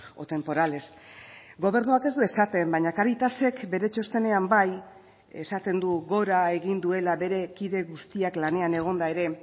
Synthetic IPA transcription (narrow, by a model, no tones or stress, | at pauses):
ot̪e̞mpo̞ɾale̞s | ɡo̞β̞e̞ɾnuake̞zd̪ue̞sat̪embajɲakaɾit̪ase̞kbe̞ɾe̞t͡ʃo̞st̪e̞ne̞ambaj | e̞sat̪e̞nd̪uɣo̞ɾae̞ɣind̪ue̞laβe̞ɾe̞kiðe̞ɣust̪iaklane̞ane̞ɣ̞o̞nd̪aeɾe̞